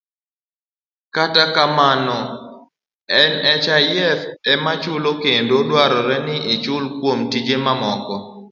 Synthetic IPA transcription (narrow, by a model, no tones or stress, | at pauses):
katakamanɔ | ɛnɛt͡ʃajɛfɛmat͡ʃʊlokendodwaɾɔɾɛnɪʔɪt͡ʃʊlkwomtid͡ʒemamɔkɔ